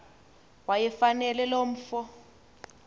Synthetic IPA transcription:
wajɛfanɛlɛlom̩ːfɔ

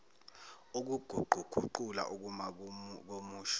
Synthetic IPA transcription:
uk̬uɡ̥ʱuɡ͡ǃ̥ʱuɡ͡ǃ̥ʱuǃula̰ʔuk̬umak̬omuːʃ

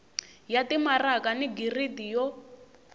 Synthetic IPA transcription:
jatimarakaniɡiridijɔ

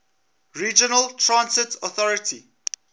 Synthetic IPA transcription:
ɹiːd͡ʒənəltʰɹãnsɪtʰɔθɔɹətʰi

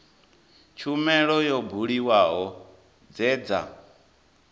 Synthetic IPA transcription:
t͡ʃʰumɛɺɔjɔbʱuɺiwaɦɔ | d͡zɛːd͡za̰

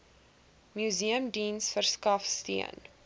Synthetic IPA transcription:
mjuziəmdinsfərskɐfstḭən

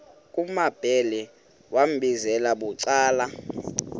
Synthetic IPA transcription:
k̬ʼumab̥ʱɛlɛ | wam̩ɓizɛlaɓuǀaːla

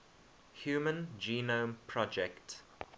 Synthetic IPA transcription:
hjuːmə̃nd͡ʒiːnõmpʰɹɔd͡ʒɛkt

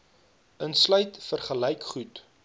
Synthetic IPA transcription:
ənslœɥtfərχəlɛjkχut

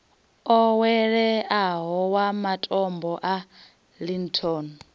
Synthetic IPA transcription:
ɔwɛɺɛaɦɔwamatʼɔmbɔʔa | lintʰɔn

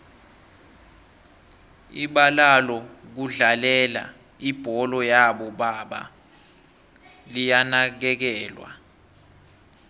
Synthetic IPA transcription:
iɓalalɔk̬uɮalɛla̰ | ib̥ʱɔlɔjaɓɔɓaɓa̰ | lijanak̬ɛk̬ɛːlwa̰

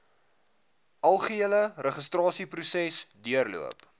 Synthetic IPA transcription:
ʔɐlˠχəeələrəχəstrɑːsiprusɛsdiərlṵəp

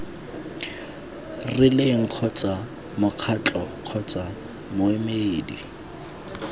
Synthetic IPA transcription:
rɪleŋ̩q͡χʰɔt͡sʼa | mʊq͡χʰat͡ɬʼɔq͡χʰɔt͡sʼa | mʊemeːdi

